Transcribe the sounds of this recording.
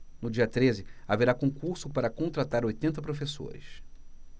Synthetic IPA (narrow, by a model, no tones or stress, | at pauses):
nʊd͡ʒiɐt̪ɾezɪaveɾakõkuɾsʊpaɾɐkõnt̪ɾat̪aɾojt̪ẽnt̪ɐpɾofeso̰ɾɪ̰s